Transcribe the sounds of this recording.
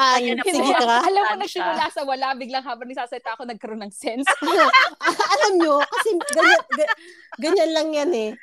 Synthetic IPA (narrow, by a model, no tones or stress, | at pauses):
ʔansɪɡɪɐɐʔɐlɐmkonɐɡ̚sɪmʊlaːsɐwɐlaʔbɪɡlɐŋɦaːbɐŋɪɡsaːsɐɪt̪aʔɐkonɐɡ̚kɐɾonːɐŋsɛnsʔɐʔɐlɐmɲokɐsɛɡɐɲanɡɐ | ɡɐɲanlɐŋjanɛ